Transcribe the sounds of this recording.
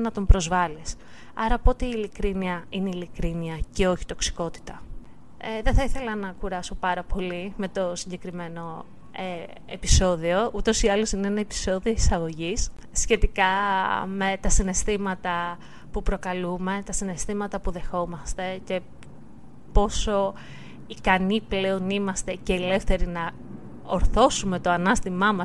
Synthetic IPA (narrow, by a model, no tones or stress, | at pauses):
nɐt̪o̞mpɾo̞zvɐlis | ɐɾɐpo̞t̪eiːlikɾiniɐineilikɾiniɐce̞o̞çi̥t̪o̞ksi̥ko̞t̪i̥t̪ɐ | eðeθɐiθe̞lɐnɐkuɾɐso̞pɐɾɐpo̞lime̞t̪o̞siɲɟe̞kɾime̞no̞ | e | episo̞ðio̞ʔut̪o̞siɐlo̞sineenɐepi̥so̞ðio̞isɐɣo̞ʝisː | çe̞t̪ikɐme̞t̪ɐsine̞st̪imɐt̪ɐ | pupɾo̞kɐlume̞t̪ɐsine̞st̪imɐt̪ɐpuðe̞xo̞mɐst̪e̞ce̞ | po̞so̞ | ikɐniple̞o̞nimɐst̪e̞ce̞ːle̞fθe̞ɾinɐ | oɾθo̞sume̞t̪o̞ɐnɐst̪imɐmɐs